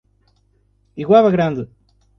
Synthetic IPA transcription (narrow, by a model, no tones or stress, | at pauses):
iɣwaβɐɣɾɐ̃nd̪ɨ